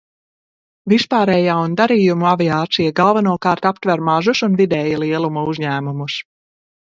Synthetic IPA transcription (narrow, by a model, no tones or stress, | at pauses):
vispaːɾɛːjaːund̪aɾiːjumuaviaːt̪sijaɡalˠvanuɔkaːɾt̪apt̪væɾmaʒusunvid̪ɛːjalˠiɛlˠumuuzʲɲæːmumus